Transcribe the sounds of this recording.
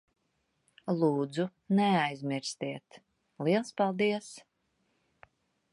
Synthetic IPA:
lˠuːd̪zunɛajzmʲiɾst̪iɛt̪ | liɛlˠspalˠd̪iɛs

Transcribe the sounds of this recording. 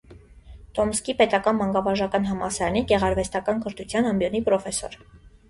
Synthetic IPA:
t̪ɔmskipɛt̪ɑkɑnmɑŋɡɑvɑɾʒɑkɑn̪ɦɑmɑsɑɾɑniɡɛʁɑɾvɛst̪ɑkɑnkəɾt̪ʰut͡sʰjɑnɑmbjɔnipɾɔfɛsɔ̰ɾ

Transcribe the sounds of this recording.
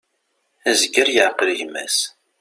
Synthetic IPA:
æzəɡəɾjəʕqəlʝmːæ̰s

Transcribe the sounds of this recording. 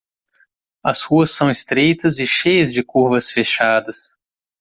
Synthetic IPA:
ɐshuɐsːɐ̃w̃ɪst̪ɾejt̪ɐzɪʃejɐzd͡ʒɪkuɾvɐsfeʃad̪ɐs

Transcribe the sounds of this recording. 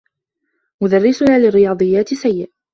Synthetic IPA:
mʊd̪arːɪsʊnaːlɪrːɪjɑːd̪ˤɨjːaːt̪sajːɪʔ

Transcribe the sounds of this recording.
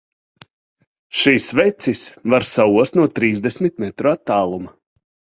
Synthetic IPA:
ʃisvɛt̪sisvaɾsauɔst̪nuɔt̪ɾiːzd̪ɛsmit̪̚mɛt̪ɾuat̪ːaːlˠuma

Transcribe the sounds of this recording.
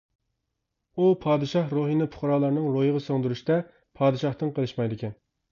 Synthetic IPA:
upʰɑːd̪ɨʃɑχɾoɦinɪpʰʊ̥χɾɑːlˠɑɾnɨŋɾojəʁɑsøŋd̪uɾuʃt̪ɛ | pʰɑːd̪ɨʃɑχt̪ɨŋqʰəlˠɨʃmɑjd̪ɪkʲʰɛn

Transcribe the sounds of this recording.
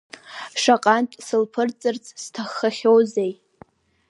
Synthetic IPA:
ʂaqʼantʼsɨlpʰɨrt͡sʼɨrt͡sʼstʰaχːaχʲowzej

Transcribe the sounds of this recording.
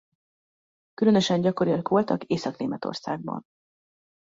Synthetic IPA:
kylø̞nø̞ʃɛɲɟɒkoɾijɒkʋo̞lt̪ɒkeːsɒkneːmɛt̪o̰rsa̰ːɡ̚bɒ̰n

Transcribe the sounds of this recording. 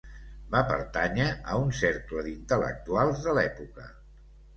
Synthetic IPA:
bapə̰ɾt̪aɲəəunseɾkləðint̪ələ̰k̚t̪ualˠzðəlɛpukə̰

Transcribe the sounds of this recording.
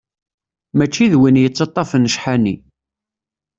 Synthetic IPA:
mæt͡ʃːiðwinjət͡sːɑt̪ˤːɑfənːəʃħani

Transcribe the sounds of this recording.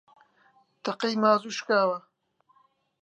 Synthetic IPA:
t̪ɐqijmaːzuːʃkaːwɐ

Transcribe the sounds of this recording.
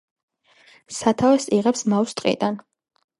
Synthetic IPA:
sat̪ʰavɛsiʁɛpsmawst̪ʼqʼḭd̪an

